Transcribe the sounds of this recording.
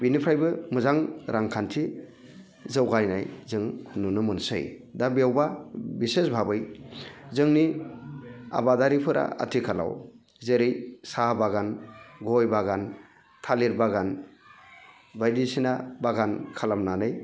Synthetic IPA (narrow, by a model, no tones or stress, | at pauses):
binipʰɾajbɯmɯzaŋɾʔaŋkʰantʰi | zɯwɡajna̰jzɯŋnunɯmɯnsɯ̰jdabiawbabisesbʱabɯjzɯŋni | a̰badaɾipʰɯɾʔa̰a̰tʰikʰala̰w | zeɾɯjsabaɡanɡɔjbaɡan | tʰaliɾbaɡan | bajdisinabaɡankʰalamnanɯj